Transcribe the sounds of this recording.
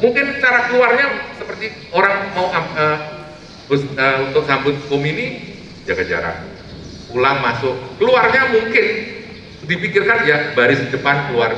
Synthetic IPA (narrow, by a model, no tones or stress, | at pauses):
muŋkɪnsə̥t͡ʃaɾakəluarɲasəpərt̪i | oɾaŋmauʔaə | bʊsəunt̪ʊk̚sambʊt̪̚komini | d͡ʒaɡad͡ʒa̰ɾa̰h | pulaŋmasʊkkəluarɲamuŋkɪn | dipikɪrkanjabaɾɪsəd͡ʒəpankəluar